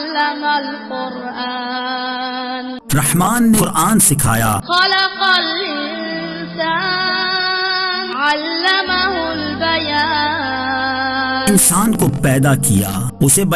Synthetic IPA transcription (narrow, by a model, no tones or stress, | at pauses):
lːamalqʊɾʔa | n | ɾɐhmaːnːeɾʔaːnsɪkʰa̰ːja̰ːxɐlɐqɑlɪ | nn | saː | nʕalːamaɦʊlbɐja | ɪnsaːnkopɛːd̪akija̰ː | ʊsebɐ